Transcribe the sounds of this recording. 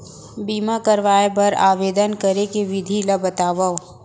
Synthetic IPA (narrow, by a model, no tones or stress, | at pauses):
biːmakɐɾʋaːebɐɾa̰ːʋeːd̪ənkɐɾekeʋɪd̪ʱilɐbət̪aːʋə